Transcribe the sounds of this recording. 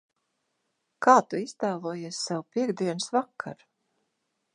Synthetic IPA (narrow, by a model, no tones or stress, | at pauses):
kaːt̪uist̪aːlˠuɔjiɛsʲsawpiɛɡd̪iɛnɨsvakʰːa̰ɾ